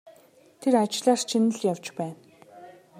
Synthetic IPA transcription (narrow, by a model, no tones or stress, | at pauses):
t̪ʰerat͡ɕɮaːrt͡ɕʰinɘ̆ɮjawt͡ɕpæːn